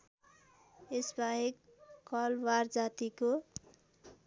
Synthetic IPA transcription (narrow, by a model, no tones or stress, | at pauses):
esbaɦekː | ʌlward͡zat̪iko